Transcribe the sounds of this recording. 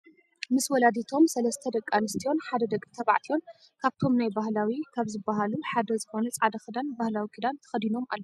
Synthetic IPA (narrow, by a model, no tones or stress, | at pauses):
mɨswɔlad̪it̪ʰo̞msɐlɐst̪ʰɐd̪ɐkʼːanɨst̪ʰijo̞nħad̪ɐd̪ɐkʼːit̪ʰɐβa̰ʕt̪ʰijo̞n | kʰaβt̪ʰo̞mnajbahlawikʰaβzɨbːaɦaluħad̪ɐzɨxo̞nɐt͡sʼʕad̪ɐxɨd̪anbahlawikʰɨd̪ant̪ʰɐ̥xɐd̪ino̞mʔa̰lːo